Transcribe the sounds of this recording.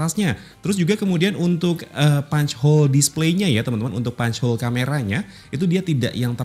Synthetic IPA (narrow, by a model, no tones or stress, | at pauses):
asɲa | t̪əɾʊs̬d͡ʒuɡakəmudianunt̪ʊkəpaɲt͡ʃhɔldispleɲajat̪əmənt̪əmanṵt̪ʊk̚paɲt͡ʃhɔlkameɾaɲa | it̪udiat̪ida̰ʔjaŋt̪ə